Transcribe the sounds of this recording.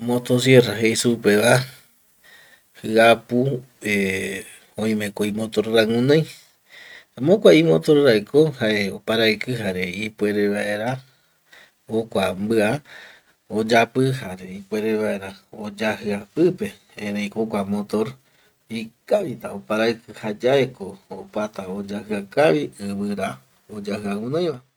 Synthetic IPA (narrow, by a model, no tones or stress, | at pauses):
mot̪os̬jeraɦejsupeʋa | hɨapu | e | õĩmẽkʷoimõt̪o̞ɾɾaŋũnãj | amõkʷaimot̪o̞ɾɾajkʰohaeopaɾaikɨɦaɾeipwʷe̞ɾeβaʔeɾa | hokʷambɨa | od͡ʒapɨɦaɾeipwe̞ɾeβaʔe̞ɾaod͡ʒahɨapɨpe̞ | eɾejkokʷamot̪oɾ | ikaβit̪aopaɾajkɨhad͡ʒaekoopat̪aod͡ʒahɨakaβiɨβɨɾa | od͡ʒahɨaŋũnãj̃βa